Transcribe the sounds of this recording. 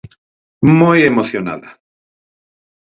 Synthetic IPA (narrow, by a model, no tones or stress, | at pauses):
mojemoθjona̰ða